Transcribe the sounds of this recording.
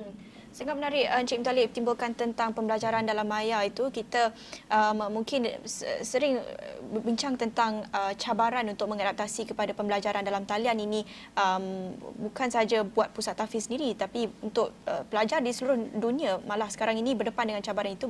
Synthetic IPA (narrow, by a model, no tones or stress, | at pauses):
səŋap̚ənaɾɪʔəɲt͡ʃiʔmt̪alɪʔt̪imbʊlkant̪ənt̪aŋpəmbəlad͡ʒaɾandalamajait̪ukit̪a | ʔəmːuŋkɪnsə̰səɾɪŋ̰bəbiɲt͡ʃaŋt̪ənt̪aŋət͡ʃabaɾanunt̪ʊk̚mə̃ŋadap̚t̪asikəpadapəmbəlad͡ʒaɾandalamt̪alianinĩ | ʔəmbukansəɦad͡ʒabuat̪̚pusat̪ːafisəndiɾit̪apiunt̪ʊʔ̚əpəlad͡ʒardisəluɾʊhduniamalahsə̥kaɾaŋinĩbərdəpandəŋant͡ʃabaɾanit̪u